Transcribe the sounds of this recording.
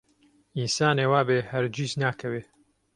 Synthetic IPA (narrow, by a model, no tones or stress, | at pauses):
insaːneːwaːbeːhɐɾd͡ʒiznaːkʰɐweː